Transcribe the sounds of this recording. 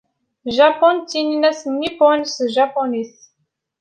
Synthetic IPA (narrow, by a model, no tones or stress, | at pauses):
ʒapontininɐsniponʲsɨʒaponis